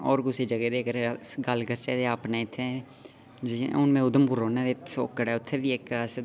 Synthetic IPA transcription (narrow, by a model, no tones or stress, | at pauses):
ɔːɾkʊseːd͡ʒəɡeːd̪eːkəɾɡəlkət͡ʃeːd̪eːaːpneːɪt̪ʰːẽ | d͡ʒiʊnmɛ̃ːʊd̪əmbʊɾoːnẽːd̪et̪ʰsoːkːəɽɛːʊt̪ʰːeːʋiːɪkəs